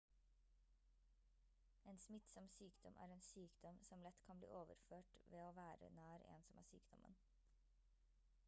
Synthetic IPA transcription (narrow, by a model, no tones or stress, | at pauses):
eːnsmɪt̪sɔmsyːkd̪̥ɔmʔæ̰ːɾeːnsyːkd̪ɔmsɔmlɛt̪kʰɑnblḭːʔoːʋə̰ɾføːʈʋeːoːʋæːɾə̰næːɾḛːnsɔmæ̰ːsy̰ːkd̪̥ɔmʔə̰n